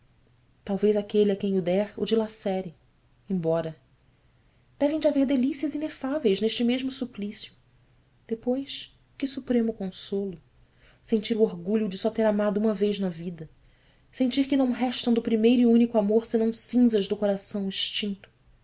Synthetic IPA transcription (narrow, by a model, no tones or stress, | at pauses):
t̪awvejzakeliakẽj̃ʊd̪ɛɾʊ̰d͡ʒilasɛɾɪ | ẽj̃bɔɾɐ | d̪̥ɛvẽj̃d͡ʒɪaveɾd̪elisiɐzinefavejzneʃt͡ʃɪmeʒmʊsuplisiʊ | d̪̥epojʃ | kɪsupɾẽmʊkõsolʊ | sẽnt͡ʃiɾʊoɾɡuʎʊd͡ʒɪsɔt̪eɾamad̪ʊũmɐvejznɐvid̪ɐ | sẽnt͡ʃiɾkɪnɐ̃w̃ɦɛʃt̪ɐ̃w̃d̪ʊpɾimejɾʊiũnikʊamoɾsɪnɐ̃w̃sĩzɐʒd̪ʊkoɾasɐ̃w̃iʃt͡ʃĩnt̪ʊ̥